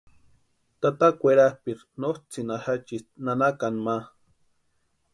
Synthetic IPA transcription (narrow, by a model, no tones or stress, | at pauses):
t̪at̪akʷeɾahpiɾ | nost͡sinahat͡ʃinanakanma